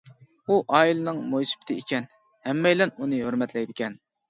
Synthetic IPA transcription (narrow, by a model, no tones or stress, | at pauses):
uʔɑːilɨnɨŋmojsɪ̥bɪ̥t̪ʰɪikʲɛn | hɛmːɛjlɛnunɨɦøɾmɛt̪lɛjd̪ɪkʲʰɛn